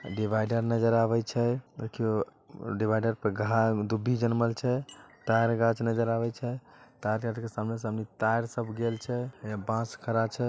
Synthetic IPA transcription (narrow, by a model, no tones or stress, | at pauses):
ɖibʱajɖəɾnəd͡ʒəɾaβɛt͡ʃʰɛd̪ekʰio | ɖibʱajɖəɾpəɡʱad̪ubʱːid͡ʒənməlt͡ʃʰɛt̪ajɾɡãt͡ʃnəd͡ʒəɾabɛt͡ʃʰɛt̪ajɾkaɾkesamnes̬əəmnit̪aɾsəbʱɡelt͡ʃʰɛbãskʰəɾat͡ʃʰɛ